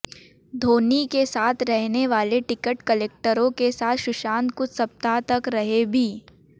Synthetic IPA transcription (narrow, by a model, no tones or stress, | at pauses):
d̪ʱoːnikesaːt̪ʰɾɛɦneʋaːleʈɪkəʈkəleːk̚ʈəɾõkesaːt̪ʰʃʊʃaːnt̪̚kʊt͡ʃʰsɐp̚t̪at̪ɐkɾɐɦebʱiː